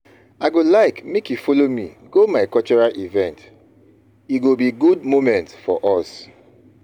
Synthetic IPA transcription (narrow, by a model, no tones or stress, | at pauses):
aɪɡolaɪkmekjufolomiɡomaɪkɔlt͡ʃɔɹalʔivɛ̃nt | itɡobiɡud̚momɛ̃ntfɔ̰ʔɔs